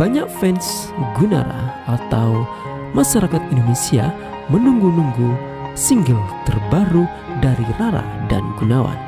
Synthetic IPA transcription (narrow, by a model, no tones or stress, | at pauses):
b̥aɲak̚fɛns | ɡuna̰ɾa̰at̪aw | maʃaɾakat̪̚indonesia | mənuŋɡunuŋɡu | siŋɡəŋt̪ərbaɾu | daɾiraɾa̰da̰nɡunawa̰n